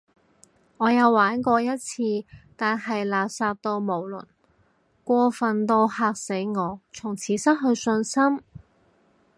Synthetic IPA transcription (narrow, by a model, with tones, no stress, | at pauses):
ŋɔː˨˧jɐ˨˧wwaː˨˥nkʷɔː˧jɐ˥t̚t͡sʰiː˧t̪aː˨nɦɐ˨jlaː˨p̚saː˧p̚t̪o˧wmo˨˩wlɵ̰˨˩n | kʷɔː˧fɐ˨nt̪o˧whaː˧k̚se˨˥jŋɔː˨˧t͡sʰʊ˨˩ŋt͡sʰiː˨˥sɐ˥t̚ɦɵ˧ɥsɵ˧nsɐ˥m